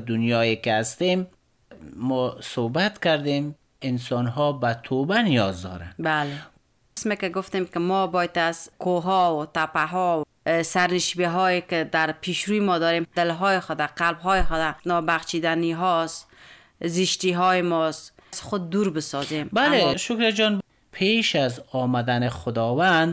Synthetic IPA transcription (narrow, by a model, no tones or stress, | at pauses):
d̪ʊnjɔjekɪast̪emː | ɔsobat̪kaɾd̪em | ɪnsɔnɦɔbat̪ʰobanijɔzd̪ɔ̰ɾa̰nbale | smekɪɡʊft̪emkɪmɔbɔjt̪azkʰoɦɔwt̪apaɦɔw | saɾnɪʃbiɦɔjekɪd̪aɾpʰiʃɾujmɔd̪ɔɾemd̪ɪlɦɔjɪxʊd̪aqalbɦɔjɪxʊd̪anɔbaχt͡ʃid̪aniɦɔs | zɪʃt̪iɦɔjɪmɔs | zxʊd̪ːuɾbɪsɔzembaleʃʊkɾad͡ʒɔn | pʰeʃazɔːmad̪anexʊd̪ɔwand̪